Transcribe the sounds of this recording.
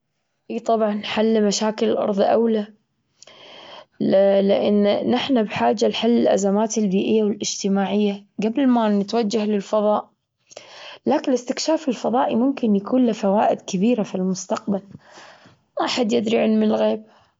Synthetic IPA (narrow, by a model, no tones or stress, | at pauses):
ʔiːt̪ˤɑbʕɑnːħalːmaʃaːkɪlɪlʔɑ̰ɾˤðˤʔawla | lɪʔɪnːnɪħnabħaːd͡ʒːalħalːɪlʔa̰zamaːt̪ɪlbiːʔɪjːawɪlʔɪd͡ʒt̪ɪmaːʕɪjːaɡabɪlmanɪt̪wad͡ʒːahlɪlfɑðˤɑːʔ | laːkɪnlɪst̪ɪkʃaːfɪlfɑðˤɑːʔimʊmkɪnjakuːnlɪfawaːʔɪd̪kabiːɾafilmʊst̪aq̚bal | maʔħad̪jɪd̪ɾiʕɪnmɪɪlɣeːb̚